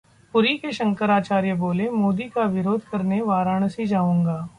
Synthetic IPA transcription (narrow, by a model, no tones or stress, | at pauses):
pʊɾikeʃɐ̃ŋkəɾaːt͡ʃaːɾjəboːlemoːd̪ikaʋɪɾoːd̪ʱkɐɾneʋaːɾaɳ̃ɐsid͡ʒaːũːŋɡaː